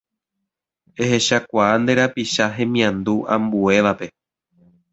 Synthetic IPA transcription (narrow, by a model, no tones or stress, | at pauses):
ehe̞ʃakʷaand̪e̞ɾapiʃaɦẽ̞mĩãnd̪uʔã̰mbue̞ʋape̞